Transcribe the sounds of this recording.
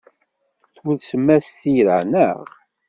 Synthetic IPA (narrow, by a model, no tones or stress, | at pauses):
θwuðsəmːæst̪iɾə̰nə̰ʁ